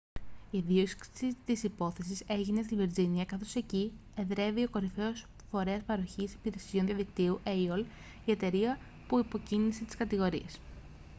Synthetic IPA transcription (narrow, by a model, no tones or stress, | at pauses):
iðiokskit̪isipo̞θe̞s̬ise̞ʝine̞st̪iviɾziniɐkɐθo̞se̞cie̞ðɾe̞vio̞ko̞ɾife̞o̞s | fo̞ɾe̞ɐspɐɾo̞çisi̥piɾe̞sio̞nðiɐðikt̪iuʔeiol | ie̞t̪e̞ɾiɐ | puipo̞cinise̞t̪i̥skɐt̪iɣo̞ɾie̞s